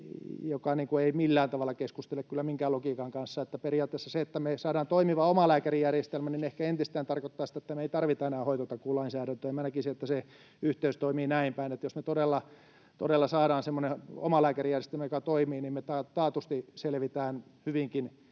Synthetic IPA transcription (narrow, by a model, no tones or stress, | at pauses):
jokɑniːŋkueimilːæːnt̪ɑʋɑlːɑkeskust̪elːekkylːæmiŋkæːlokiːkɑŋkɑnsːɑet̪ːæperijɑːt̪ːesːæseet̪ːæmesɑːdɑːnt̪oimiʋɑomɑlæːkærijærjest̪elmæninehkæent̪ist̪æːnt̪ɑrkot̪ːɑːsi̥t̪æet̪ːæmeeit̪ɑrʋit̪ɑenæːhoit̪ot̪ɑkkuːlɑinsæːɾænt̪øːjmænækisiet̪ːæse | yht̪eyst̪oimiːnæimpæinet̪josmet̪odelːɑ | t̪o̰delːɑsɑːɾɑːnsemːoneo̰mɑlæːkærijærjest̪elmæjokɑt̪oimiːnimmet̪ɑt̪ɑːt̪ust̪iselʋit̪æːnhyʋiŋkin